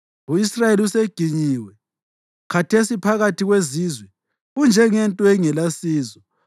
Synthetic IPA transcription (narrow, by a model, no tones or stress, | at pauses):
uisrajeliuseɡ̥ʱiɲiwɛ | kʰatʰesipʰaɣatʰiɣweziːzwɛ | ɣund͡ʒʱɛŋɛntʼɔɛŋɛlasiːzɔ